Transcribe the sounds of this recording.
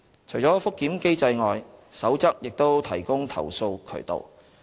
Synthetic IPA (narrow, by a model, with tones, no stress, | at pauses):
t͡ʃʰɵ˨˩jt͡sɔː˨˥fʊ˥kːiː˨˥mke˥jt͡sɐ˧jŋɔː˨jsɐ˨˥wt͡sɐ˥k̚jɪ˨k̚t̪o˥wt̪ʰɐ˨˩jkʊ˥ŋt̪ʰɐ̰˨˩wso˧wkʰɵ̰˨˩jt̪o̰˨w